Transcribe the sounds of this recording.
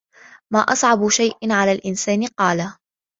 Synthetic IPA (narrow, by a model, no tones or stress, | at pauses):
maːʔɑsˤʕɑbʃajʔɪnʕalaːlʔɪnsaːnɪqɑːla